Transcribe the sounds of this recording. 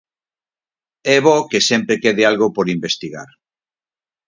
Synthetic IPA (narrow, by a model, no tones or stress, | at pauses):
ɛβokesempɾekeðealɣopoɾimbest̪iɣa̰ɾ